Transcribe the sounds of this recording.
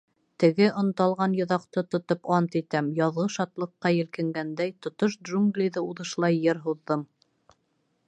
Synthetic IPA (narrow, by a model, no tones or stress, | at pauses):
t̪ɘ̆ɡɘʔŏnt̪ɑlˠʁɑnjŏðɑqt̪ɤt̪ŏt̪opɑnt̪it̪æmjɑðʁɤʃɑt̪lˠɤ̆qːɑjɘ̆lkɘ̆ŋɡænd̪æjt̪ŏt̪oʃd̪ʒuŋɡlʲijðɤuðɤ̆ʃlˠɑjːɤɾɦuðːɤm